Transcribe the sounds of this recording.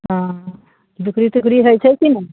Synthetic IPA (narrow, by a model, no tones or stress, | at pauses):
ɦã | d̪ukɾit̪ukɾiɦəjt͡ʃʰɛkinə